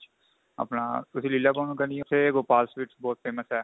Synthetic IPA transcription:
ɐ̰pnaːt̪ʊsililaːkoːnõkənĩseɡoːpaːlsʋɪːʈsbɔːt̪̚fʰeːməsɦɛː

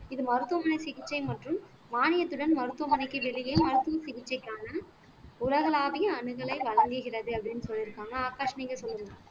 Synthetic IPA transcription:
ɪðɯmɐɾɯt̪ːɯʋɐmɐnɐɪsɪɣɪt͡ʃːɐɪmɐʈrɯmː | aːnɪjɐt̪ːɯɽɐnmɐɾɯt̪ːɯʋɐmɐnɐɪkːɯʋɛɭɪjeːmɐɾɯt̪ːɯʋɐsɪɣɪt͡ʃːɐɪkːaːnɐ | ʊlɐɣɐɭaːʋɐjɐɐɳɯɣɐɭɐɪʋɐɻɐŋɡɯɣɪrɐðɯɐpːɐɽɪnːɯsɔlːɪɾɯkːaːŋɡɐaːkaːʂɐniːŋɡɐsɔlːɯɾɯŋɡɐ

